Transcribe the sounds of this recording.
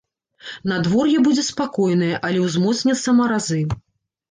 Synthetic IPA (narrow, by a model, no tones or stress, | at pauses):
nad̪vɔrjɛbud͡zʲɛspakɔjnɨjɛʔɐlʲɛwzmɔt̪snʲɛt̪sːɐmɐɾazɨ